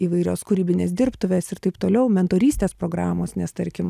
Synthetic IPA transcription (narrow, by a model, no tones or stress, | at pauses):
iːʋɐɪɾʲoːskʊɾʲiːbʲɪnʲeːsd̪ʲɪɾpt̪ʊʋʲeːsɪɾt̪ɐɪpt̪oːlʲɛʊmʲɛnt̪oːɾʲiːsʲt̪ʲeːspɾoːɡɾɑːmoːsnʲɛst̪ɐɾʲkʲɪm